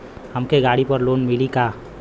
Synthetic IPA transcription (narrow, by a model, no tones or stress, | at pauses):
həmkeɡaɽipəɾlonmilika